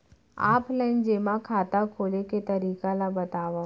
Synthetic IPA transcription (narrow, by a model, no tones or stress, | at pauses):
a̰ːplə̃nd͡ʒeːmãkʰaːt̪akʰoːleket̪ɐɾiːkalabɐt̪aːʋa